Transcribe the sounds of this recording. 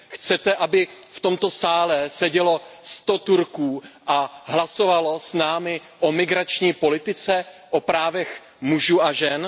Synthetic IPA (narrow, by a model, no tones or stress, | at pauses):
xt͡sɛt̪ɛʔabɪft̪o̞mt̪o̞saːlɛsɛɟɛlo̞st̪o̞t̪uɾkuːʔaɦlaso̞valosnaːmɪ | ʔomɪɡɾat͡ʃɲiːpo̞lɪt̪ɪt͡sɛʔopɾaːvɛx | muʒuːaʒɛn